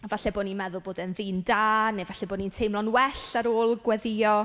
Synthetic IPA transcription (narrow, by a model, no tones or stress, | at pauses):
ɔvaɬɛboːnimɛðʊlˠboːdənðiːndaːnevaɬɛboːnintʰejmlˠɔnwɛɬaɾoːlˠɡwɛðɪɔ